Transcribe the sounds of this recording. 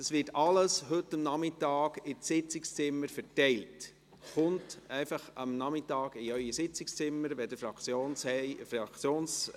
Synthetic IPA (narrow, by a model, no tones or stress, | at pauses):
d̥ɑsʋɪtɑləshɵtːɑmnɑmɪtɑːɡɪɪt͡sɪkst͡sɪmːəɾfɛtɛɪlt | χʊntɛɪfɑχɑmnɑmɪtɑːɡɪœʏəsɪt͡sɪkst͡sɪmːəɾʋɛd̥əfɑt͡sjoːnɛfɑkt͡sjoːns